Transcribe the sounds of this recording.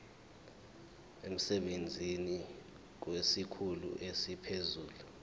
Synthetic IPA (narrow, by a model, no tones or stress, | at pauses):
em̩sɛɓend͡zʱini | k̬wesikʰulṵʔesipʰezuːlu